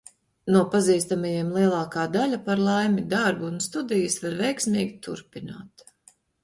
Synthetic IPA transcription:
nuɔpaziːst̪amajɛmlˠiɛlˠɑːkaːd̪alʲapaɾlˠajmid̪aɾbuunst̪ud̪ijɨsvaɾvɛjksmʲiːɡʲit̪ṵɾpina̰ːt̪

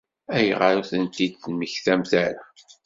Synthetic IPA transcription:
æjʁəɾuθənt̪id̪θənməçθæmθæɾa

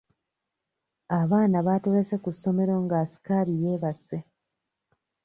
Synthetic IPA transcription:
aβaːnaβatoɾesekusːo̞me̞ɾo̞ŋɡasi̥kaɾije̞ːβasːe

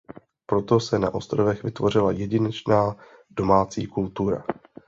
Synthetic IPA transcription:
pɾo̞t̪o̞sɛna̰ʔo̞st̪ɾovɛxvɪt̪vo̞r̝ɪlajɛɟɪnɛt͡ʃnaː | d̥o̞maːt͡siːkult̪uɾa̰

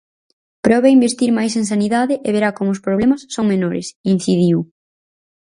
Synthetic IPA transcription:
pɾɔβeaimbeɾt̪iɾmajseŋsaniðaðɪʔeβeɾakomʊʊspɾoβlemɐsːoŋmenoɾɪ̰sin̟θiðiw

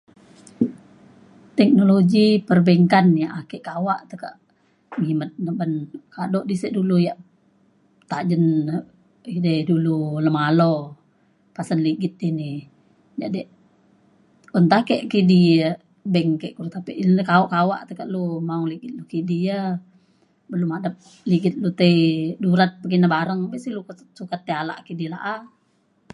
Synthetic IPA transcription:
t̪ɛk̚noloɡipərbɛŋkanjaʔakɛʔkawaʔt̪əka̰ʔ | ŋimət̪̚nəbənkadɔʔdisəʔdulujaʔ | t̪ad͡ʒən | idɛdululəmalo | pasanliɡit̪̚ini | d͡ʒa̰ʔdɛʔ | ɔnt̪ahkɛʔkidijə | bɛŋkɛʔkuɾt̪apḭʔnkaɔʔkawa̰ʔt̪əkaʔlumauŋliɡɪt̪̚lukidijə | bəlumadəp̚ | liɡɪt̪̚lut̪əiduɾat̪̚pək̬inabaɾəŋbɛʔsiluk | sukat̪̚ːeala̰ʔkidila̰ʔa

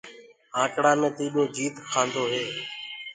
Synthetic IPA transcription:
ãːʈɽaːmẽːt̪iːɗõːd͡ʒiːt̪kʰãːnd̪oːɦeː

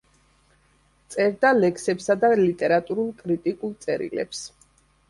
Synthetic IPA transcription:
t̪sʼɛɾd̪alɛkʰsɛpsad̪alit̪ʼɛɾat̪ʼuɾulˠkʼɾit̪ʼikʼulˠt̪sʼɛɾḭlɛ̰ps

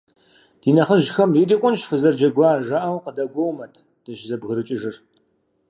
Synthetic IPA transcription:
d̥iːnɐχəʒxɐmjidiːqʷʼʊnʃfɨzɐrd͡ʒɐɡʷaːʒaːʔɐwqədɐɡʷowmɐtʰ | d̥ɨʃzɐbɣɨɾɨt͡ʃʼɪʒɨr

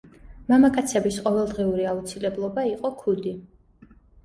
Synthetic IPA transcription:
mamakʼat̪sʰɛbisqʼɔvɛlˠd̪ʁiuɾiaut̪sʰilɛblˠɔbaiqʼɔkʰud̪i

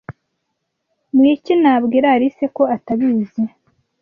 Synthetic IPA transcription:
mwiːcinaːbɡiɾaːɾise̞ko̞ataβiːzi

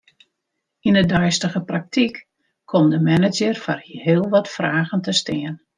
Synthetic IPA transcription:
indədœjstəɣəprak̚tʰik | kʰɔmdəmɛnəd͡ʒərfɔrɦɪəlˠʋɔtfraːɣəntəstɪən

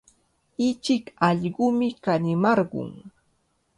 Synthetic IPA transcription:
ɪt͡ʃɪkɑʎɢʊmɪkanɪmɑɾɢʊ̰ŋ

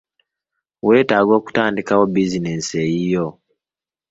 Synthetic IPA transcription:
we̞ːtaːɡo̞ːku̥taːndikawobizinesejijo

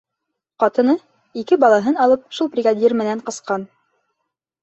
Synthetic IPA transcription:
qɑt̪ɤ̆nɤ | ikɘbɑlˠɑɦɤnɑlˠɤp̚ʃulˠprʲɪɡadʲirmɘ̆næɴqɤ̆sqɑn

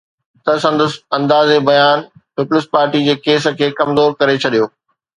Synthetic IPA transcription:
t̪ɐsɐ̃nd̪ʊsɐ̃nd̪aːzebɐjaːnpɪpʊlɪspaːɾʈid͡ʑeːkeːsə̆kʰeːkɐmzoːɾkɐɾet͡ɕʰɐɗijoː

